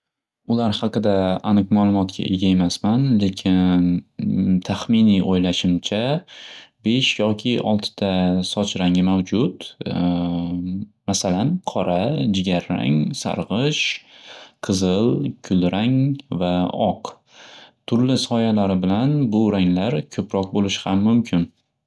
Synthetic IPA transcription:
ʊlaɾhɑqɨd̪aːnɨqmalˠʊmɒt̪kʲʰa̰ʔḛɡʲae̞masmanle̞kʲʰɪnn | t̪ʰaχmɪniʔojlaʃɪmt͡ʃʰa | be̞ʃjɒkʲʰɪɒlˠt̪ʰɪ̥d̪̥asɒt͡ʃʰɾaŋɪmawd͡ʒʊt̪ | masalanqʰɒɾad͡ʒɪɡʲaɾːa̰ŋsa̰ɾʁɨʃ | qʰɨzɪlkʲʰʊlɾaŋvaɒq | t̪ʰʊɾlɪsɒjalaɾɪbɪlanbʊɾaŋlaɾkʲʰɵpɾɒq̚bolɪʃhamːʊmkʲʰɪn

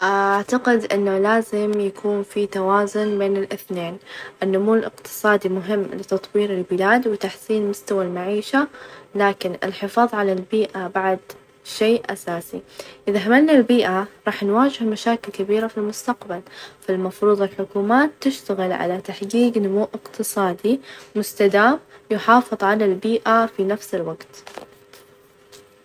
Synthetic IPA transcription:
ʔaʔaʕt̪aqɪd̪ʔɪnːalaːzɪmjakʰuːnfit̪awaːzʊnbeːnɪlʔɪθneːnʔɪnːʊmuːlʔɪ̰qt̪ɨ̥sˤɑːd̪imʊɦɪmːlɪt̪ɑt̪ˤwiːɾɪlbɪlaːd̪wɪt̪aħsiːnmʊst̪awalmaʕiːʃalaːkɪnɪ̰lħɪfɑːðˤʕalalbiːʔabaʕd̪ | ʃeːʔʔasaːsḭʔɪðaɦamanːalbiːʔaɾˤɑːħnwaːd͡ʒɪhmaʃaːkɪlkabiːɾafilmʊst̪aqbalfalmɑfɾuːðˤɪlħʊkuːmaːt̪ːɪʃt̪aɣɪlʕa̰lat̪aħɡiːɡnʊmuːʔɪqt̪ɨsˤɑːd̪imʊst̪ad̪aːmjʊħɑːfɨðˤʕalalbiːʔafinafsɪlwaɡt̪

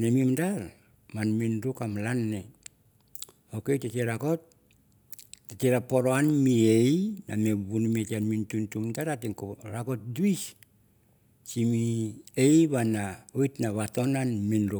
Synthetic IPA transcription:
nemimdaɾ | manminɾukamlanːe | okejteteɾakot̚ | eteɾapoɾoanmiejnameβunmetianmintuntumdaɾatiŋkoɾako̞t̚duis | t͡ʃimiejβanaojtnaβato̞nanminɾu

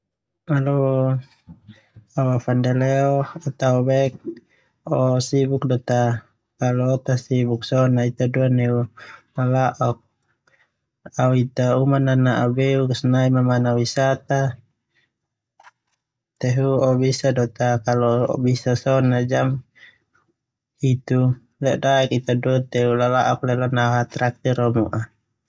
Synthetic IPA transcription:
alɔ | awafandɛlɛɔɔt̪aɔbɛk̚ | ɔsibuk̚dɔt̪a | kalɔːt̪asibuk̚sɔnait̪aduanɛunalaʔɔk̚ | auit̪aumananaabɛukasnaimamanawisat̪a | t̪ɛɦuɔbisadɔt̪akalɔɔ̰bisasɔnad͡ʒam | it̪u | lɛdaɛkit̪aduat̪ɛulalaʔɔk̚lɛlɔnaɦat̪ɾak̚t̪iɾɔmuʔa

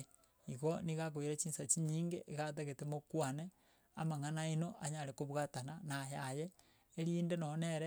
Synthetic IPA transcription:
ikoniɣak̬wiɾet͡ʃiːnsat͡ʃiɲiːŋɡeʔːkat̬eɣetemokwane | amaŋanainoʔaɲaɾekoβwatananaɦajeː | ɾiːndenoneɾe

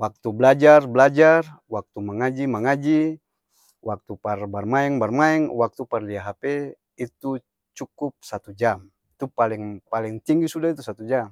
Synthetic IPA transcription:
wak̚t̪ublad͡ʒarbəlad͡ʒar | wak̚t̪umaŋad͡ʒimaŋad͡ʒi | wak̚t̪uparbarmaɛŋbarmaɛŋwak̚t̪uparliaɦapɛ | it̪u | t͡ʃukup̚sat̪ud͡ʒam | it̪upaliŋpaliŋt̪iŋɡisudait̪usat̪ud͡ʒam

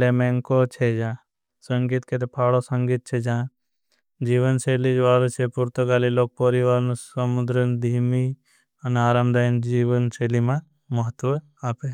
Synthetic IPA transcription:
lemẽŋkot͡ʃʰed͡ʒãː | səŋɡiːt̪ket̪epʰaːɽosɐ̃ŋɡiːt̪̚t͡ʃʰed͡ʒãː | d͡ʒiːʋənseːlid͡ʒʋaːlot͡ʃʰepʊɾt̪əɡaːliloːk̚poːɾiʋaːlnəmʊd̪ɾənd̪ʱiːmi | ɐnaːɾaːmd̪aːind͡ʒiːʋənseːlimã | məɦət̪ʋə | aːpeː

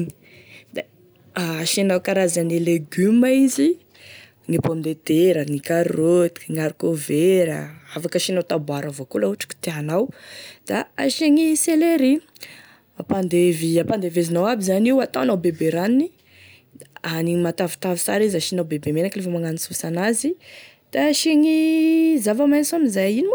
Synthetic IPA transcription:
ni̥ | d̪a | aʃianawkaɾazanileɡymaizi | ŋipamind̪et̪eɾənikaɾot̪i̥ŋaɾikoveɾə̰afakəʃinawt̪abuaɾəvokolauʈ͡ʂi̥kʲi̥t̪eanawd̪̥aaʃeŋiseleɾi | apand̪eviapand̪evezinawabizaniwat̪anawbebeɾanini | animat̪avi̥t̪avi̥sa̰ɾizaʃinawbebemenaklefamaŋanisusanazi | d̪̥aʃeŋizavamajnsamizajinim

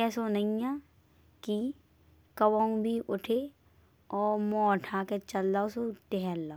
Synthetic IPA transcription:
ɛːsonɐĩjã | ki | kɐwaũbʱiʔʊʈʰe | ɔːɾmɔːʈʰaːket͡ʃɐlːaʊsot̪eɦɛlːa

